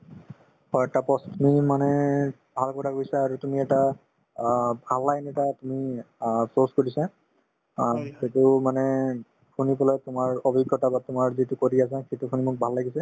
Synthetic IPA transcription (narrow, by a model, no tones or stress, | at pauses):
hɔɛtapɔstʰmimanɛ | bʱalkɔtʰakojsaːɹutumiɛta | bʱalːajnɛtatumi | soskoɹisa | xetʊmanɛ | kʰunibɔlajtʊmaɹɔbʱiɡjɔtabatʊmaɹzitukoɹiasaxetukʰunimʊk̚bʱalːaɡisɛ